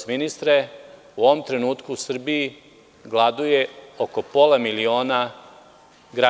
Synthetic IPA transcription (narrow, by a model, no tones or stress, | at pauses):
minist̪ɾe | uoʋomt̪ɾe̞nuːt̪kuːsr̩bii | ɡlˠad̪uje̞oko̞po̞lˠamilio̞ːna | ɡɾa